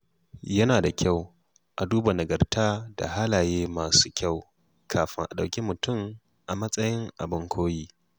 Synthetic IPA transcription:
jɐ˦naː˨da˨kʲa˦˨w | ʔa˨duː˦ba˨nɐ˨ɡɐ˨rtaː˦da̰˨ha˦laː˨jeː˦maː˨su̥ː˦kʲa˦˨w | kʰaː˨ɸɪ˦ŋʔa˨ɗa˨wkʲi˦mʊ˨tʊ˦m | ʔa˨mɐ˦sʼɐ˦jɪ˦ŋʔa̰˨bɪ˦ŋkʷʰoː˦jiː˦

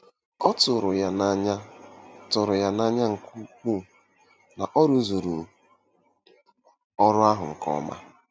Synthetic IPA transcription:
ɔ˦tʊ˨ɾʊ˨ja˨na˦ɲa˦tʊ˨ɾʊ˨ja˦na˦ɲa˦ŋ̩˨ku˦kʷu˦˨ | na˨ʔɔ˦ɾu˦zo˨ɾu˨ | ɔ˦ɾʊ˦a˦ɦʊ˨ŋ̩˨kɔ̰˦ma̰˦

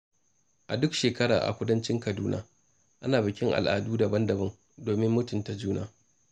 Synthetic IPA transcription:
ʔa˨dʊ˦kʃeː˨kɐ˦ɽa̰ː˨ʔa̰˨kʷʊ˦dɐ˦nt͡ʃɪ˦ŋkɐ˨duː˦na̰ː˦ | ʔa˦naː˨bɪ˨kʲɪ˦ŋʔa̰˨lʔa̰ː˨duː˦dɐ˨bɐ˦ndɐ˨bɐ˦ŋ | doː˨mɪ˦mːʊ˦tʊ˨nta˨d͡ʒuː˦na̰ː˨

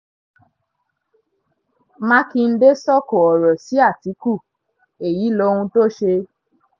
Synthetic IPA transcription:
mã˦ki˧n̩˦de˦sɔ˦ko˨ɔ˨ɾɔ˨si˨˦a˦˨ti˨˦ku˦˨ | e˨ji˨˦lo˧˦hũ˧to˦˨ʃe˧

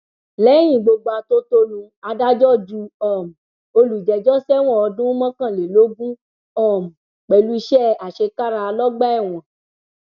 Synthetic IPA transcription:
lɛ˨˦j̃ĩ˦˨ɡ͡bo˧ɡ͡ba˧to˦to˦lũ˧ | a˧da˦d͡ʒɔ˦˨d͡ʒu˧˦ɔ˦˨m˨ | o˧lu˨d͡ʒɛ˨d͡ʒɔ˦sɛ˦w̃ɔ̃˦˨ɔ˧dũ˦mã˦kã˦˨le˨lo˨˦ɡũ˦ | ɔ˦˨m̩˨ | k͡pɛ˨lu˧i˧˦ʃɛ˦a˨ʃe˧ka˦ɾa˧lɔ˦ɡ͡bɛ˦ɛ˦˨w̃ɔ̃˨

